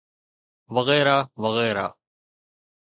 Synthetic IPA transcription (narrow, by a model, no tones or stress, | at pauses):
ʋəɣɛːɾaːʋəɣɛːɾa̰ː